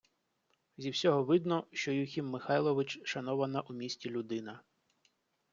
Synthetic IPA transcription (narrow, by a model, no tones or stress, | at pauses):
zʲiwsʲɔɦɔʋɪd̪nɔʃt͡ʃɔjuxʲimːɪxɑjlˠɔʋɪt͡ʃʃɐnɔʋɐnɐʔumʲisʲtʲilʲʊd̪ɪnɐ